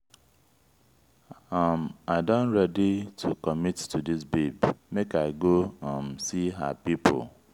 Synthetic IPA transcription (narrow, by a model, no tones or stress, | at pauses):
amaɪdɔ̃nɹɛditʰukɔmittudisbebmekaɪɡoãmsiɦa̰pipʰo̰l